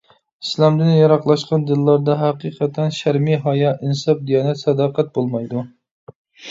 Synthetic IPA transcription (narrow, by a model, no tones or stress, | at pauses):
islɑmd̪ɪnjɑɾɑqlˠɑʃqɑnd̪ɨlːɑɾd̪ɑɦæqiːqʰət̪ʰɛnʃæɾmiɦɑjɑʔinsɑp̚d̪ijɑːnɛt̪sɛd̪ɑːqæt̪̚bolˠmɑjd̪u